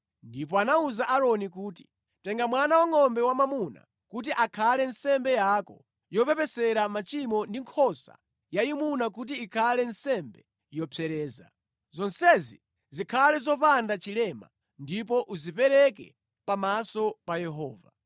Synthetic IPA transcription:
ndipɔanauzaʔaɾɔnikuːt̬i̥ | tɛŋɡamwanawaŋɔmbɛwamamuna̰ | kut̬iʔakʰalɛnsɛmbɛjakɔ | jɔpɛpɛsɛɾamat͡ʃimɔndiŋkʰɔsa̰ | jajimunak̬ut̬iːkʰalɛnsɛmbɛ | jɔpʰɛɾɛːza | zɔnsɛzi | zikʰalɛzɔpandat͡ʃilɛma̰ | ndip̬ɔʔuzipɛɾɛk̬ɛ̰ | pamasɔpajɛɦɔːva

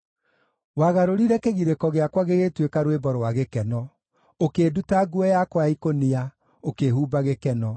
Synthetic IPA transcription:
waɣaɾoɾiɾɛkeɣiɾekɔɣeakwaɣeɣetwekaɾwebɔɾɔwaɣekɛnɔ | okeːdutaɡuɛjakwaikonia | okehuːbaɣekɛnɔ

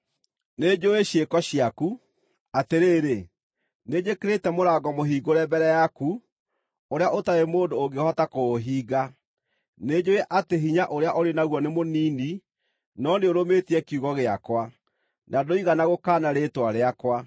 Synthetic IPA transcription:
ned͡ʒoeɕjekɔɕiaku | ateɾeːɾe | ned͡ʒekeɾetɛmoɾaːɡɔmoɦiːɡoɾɛbɛɾɛjaku | oɾeaʔotaemoːndoːŋɡehɔtakoːɦiːɡa | neːd͡ʑoeʔateɦiɲaʔoɾeaʔoɾenaɣwɔnemoniːni | nɔneoɾometiɛkiuɣɔɣeakwa | nadoiɣanaɣokaːnaɾeːtwaɾeakwa

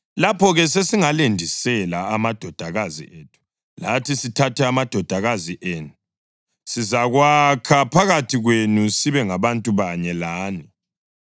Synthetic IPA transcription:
lapʰɔɣɛs̬esiŋalendʱisɛlaamad̥ʱɔd̥ʱaɣazḭeːtʰu̥ | latʰisitʰatʰɛamad̥ʱɔd̥ʱaɣaziʔeːnu | sizaɣwakʰapʰaɣatʰiɣwenusiβɛŋaβantʼuβaɲɛlaːni

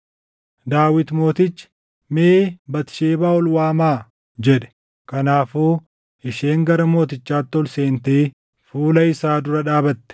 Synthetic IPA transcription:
d̪aːwɪt̪mo̞ːt̪ɪt͡ʃːɪ̥ | meːbɐt̪ɪ̥ʃeːbaːɔlwaːmaː | d͡ʒɛᶑɛ̥ | kɐnaːfuː | ɪʃeːŋɡɐɾɐmo̞ːt̪̬ɪt͡ʃːaːt̪ːɔlseːnt̪eː | fuːlɐɪsaːd̪ʊɾɐᶑaːbɐt̪ːɛ̥

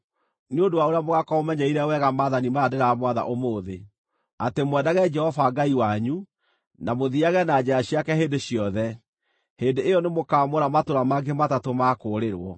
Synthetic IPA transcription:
neondowaoɾeamoɣakɔomɛɲɛiɾɛwɛɣamaːðanimadeɾamwaða̰ʔomoːðe | atemwɛdaɣɛd͡ʒɛhɔfaɡaiwaɲu | namoðiaɣɛnad͡ʒɛaɕiakɛheːndeɕijɔðɛ | hendeejɔnemokaːmoɾamatoɾamaɡematatomakoːɾeɾwɔ

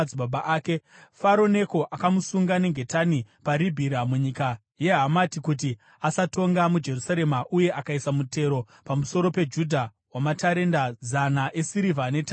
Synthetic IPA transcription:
ibabaʔaːke̞faɾo̞ne̞ko̞ʔakamusuŋɡane̞ŋɡʱe̞tanipaɾibʱiɾamuɲika | je̞ɦamatikut̬i | asato̞ŋɡamud͡ʒe̞rusaɾe̞maʔuje̞ʔakaisamute̞ɾo̞ | pamuso̞ɾo̞pe̞d͡ʒudʱa | wamataɾe̞ndazanaʔe̞siɾivane̞ta

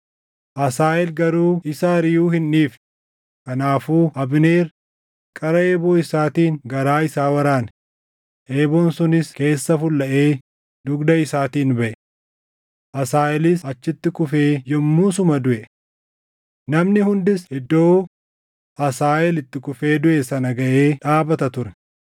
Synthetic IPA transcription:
ʔɐsaːʔɛlɡɐɾuːɪsaːɾɪjuːhɪnːiːf | kɐnaːfuːʔɐbneːɾ | kʼɐɾɐeːboːɪsaːt̪iːŋɡɐɾaːɪsaːwɐɾaːn | ʔeːboːnsʊnɪske̞ːsːɐfʊlːɐʔe̞ː | d̪ʊɡd̪ɐɪsaːt̪iːnbɐʔɛ | ʔɐsaːʔɛlɪsɐt͡ʃːɪt̪ːɪkʊfe̞ːjɔmːuːsʊmɐd̪ʊʔɛ | nɐmnɪhʊnd̪ɪsɪd̪ːo̞ː | ʔɐsaːʔɛlɪt̪ːɪkʊfe̞ːd̪ʊʔɛsɐnɐɡɐʔe̞ːᶑaːbɐt̪ɐt̪ʊɾɛ̥

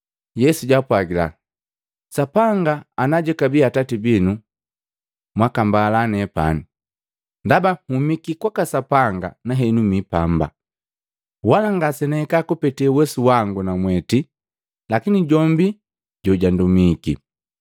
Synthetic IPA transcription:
jɛsuɟapwaɡila̰ | sapaŋɡaːnaɟɛkabiatatibinu | mwakambaːlanɛpa̰ni | ndabahumikikwakasapaŋɡa̰naɦɛnumipamba̰ | walaŋɡasɛnɛɛkakupɛtiɛwɛsuwaŋɡunamwɛti | lakiniɟɔmbi | ɟɔɟandumikḭ

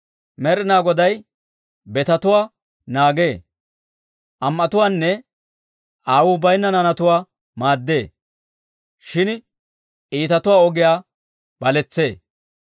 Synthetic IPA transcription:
mɛɾɪnaːɡɔd̪ɐj | bɛt̪ɐt̪ʊwaː | naːɡeː | ʔɐmʔɐt̪ʊwaːnːɛ | ʔaːwʊːbɐjnːɐnɐnɐt̪ʊwaː | maːd̪ːe̞ː | ʃɪn | ʔiːt̪ɐt̪ʊwaːɔɡɪjaː | b̥ɐlɛt͡sːe̞ː

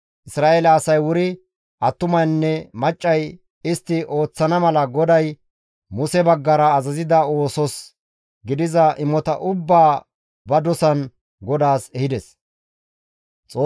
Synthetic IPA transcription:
ʔɪsɾaːʔelɐːsɐjwʊɾɪ | ʔɐt̪ːʊmɐjnːɛmɐt͡ʃʼːɐj | ɪst̪ːɪʔo̞ːt͡sːɐnɐmɐlɐɡɔd̪ɐj | mʊsɛbɐɡːɐɾɐːzɐzɪd̪ɐo̞ːsɔs | ɡɪd̪ɪzɐʔɪmɔt̪ɐʔʊbːaː | bɐd̪ɔsɐn | ɡɔd̪aːsɛhɪd̪ɛs | t͡sʼoː

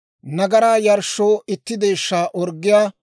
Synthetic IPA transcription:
nɐɡɐɾaːjɐɾʃːoːʔɪt̪ːɪd̪eːʃːaːʔɔɾɡːɪjaː

